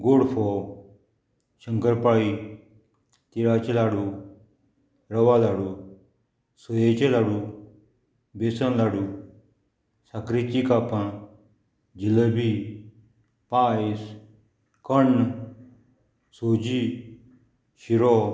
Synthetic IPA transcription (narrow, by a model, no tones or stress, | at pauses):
ɡoːɽfʰɔ | ʃəŋkəɾpai | t̪iɽaːt͡ʃelaːɽu | ɾəʋaːlaːɽu | sojet͡ʃelaːɽu | besənlaːɽu | sakɾit͡ʃikapã | d͡ʒiləbi | paːis | kəɳ | soːd͡ʑi | ʃiɾɔ